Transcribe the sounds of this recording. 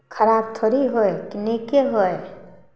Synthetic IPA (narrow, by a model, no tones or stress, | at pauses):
kʰɐɾaːb̚t̪ʰoːɾiɦoekinikeɦoe